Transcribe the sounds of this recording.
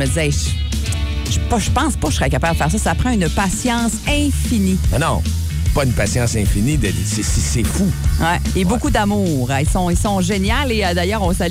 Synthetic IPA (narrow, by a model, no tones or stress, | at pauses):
əd̪izɛɛʒ | ʒəpʌʒəpɑ̃spʌkəsəʁɛkapabd̪əfɛːʁsɔsapʁɑ̃ynpasjɑ̃ːsɛ̃fininɔ̃ | pʌynpasjɑ̃sɛ̃finid̪ɛsesesefuwɛ | ebokud̪amuːʁilsɔ̃ilsɔ̃ʒenjaleəd̪ajœːʁɔ̃sal